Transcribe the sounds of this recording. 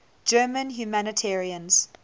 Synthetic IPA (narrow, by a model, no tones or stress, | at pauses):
d͡ʒɜːmə̃nɦjumænətʰɛɹiə̃nz̥